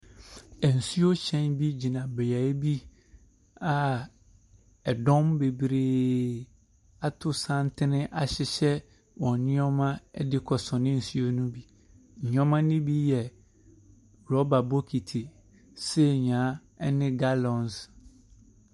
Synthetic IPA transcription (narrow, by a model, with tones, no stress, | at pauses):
ɛ˨n̩˨su˦o˦ɕɛ̃˦nbi˦d͡ʑi˨nã˨bɛ˨ja˨˦i˦bi˦ | a˨ | ɛ˨dɔ̃˦mbe˨bɾeː˨˦ | a˦tʰʊ˦sã˦n˦tʰɪ˦nɪ̃˦ʔa˨ɕɪ˦ɕɛ˦ | wɔ̃˨nɪ̃˦ɔ˦mã˦ɛ˦dɪ˦kʰɔ˨sɔ̃˨nɪ̃˦n̩˨su˦o˦nũ˦bi˦ | ɲ̩˨ɲ˦ɔ̃˦mã˦nɪ̃˦bi˦jɛ˨ | ɾɔ˦ba˨bo˦kʰi˨tʰi˨ | se˦˨ɲ˨ã˨˦ɛ˦nɪ̃˦ɡa˦lɔ̃˨ns